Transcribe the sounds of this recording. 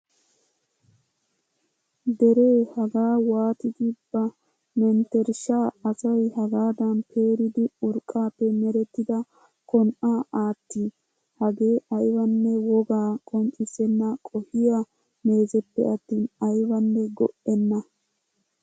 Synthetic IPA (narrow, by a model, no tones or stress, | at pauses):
d̪ɛɾe̞ːhɐɡaːwaːt̪ɪɡ̪ɪbːɐ | mɛnt̪ɛɾʃaːɐsɐjhɐɡaːd̪ɐnpʰeːɾɪd̪ɪʊɾkʼːaːpːɛmɛɾɛt̪ːɪd̪ɐ | kɔnʔaːʔaːt̪ːi | hɐɡe̞ːʔɐjwɐnːɛwɔɡaːkʼɔnt͡ʃʼːɪsɛnːɐkʼɔhɪja | meːzɛpːɛɐt̪ːiːnɐjwɐnːɛɡɔ̰ʔɛnːɐ